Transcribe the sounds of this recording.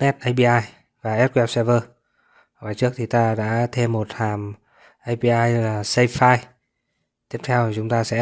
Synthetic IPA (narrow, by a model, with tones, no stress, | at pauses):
nɛ˦˥t̚ʔə˧jpi˧ʔaː˧j | vaː˨˩ʔɛ˦˥t̚kwɛ˦˧˥p̚sɛ˧vəː˧˨˩ | vaː˨˩jt͡ɕɨ˦˥ək̚t̪ʰi˨˩t̪aː˧ɗa̰ː˧˥t̪ʰe˧mːo˨˩t̚haː˨˩m | ʔa˧jpi˧ʔaː˧jlaː˨˩sə˧jfaː˧j | t̪i˦˥əp̚t̪ʰɛ˧wt͡ɕʊ˨˦ŋ͡mt̪aː˧sɛ̰˧˥